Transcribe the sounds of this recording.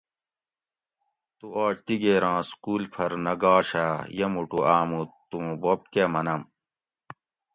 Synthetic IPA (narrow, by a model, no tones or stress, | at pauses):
t̪uʔaːɕt̪iɡeːɾãːskuːlpʰɐɾnɐɡaːɕaːjɐmuʈuʔaːmut̪ːũbob̚kemɐnɐm